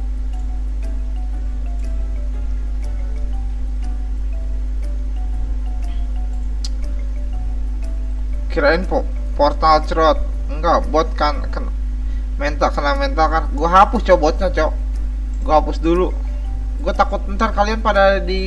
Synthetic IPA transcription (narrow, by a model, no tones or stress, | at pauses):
kiɾaɪnpɔ | pɔrt̪alt͡ʃɾɔt̪̚ | ŋɡabɔt̪̚kankəna | mɛnt̪alkənamɛnt̪alkanɡuaɦapʊst͡ʃabɔt̪̚ɲat͡ʃa | ɡuaɦapʊsdulu | ɡuat̪akʊt̪̚bənt̪arkalianpadadi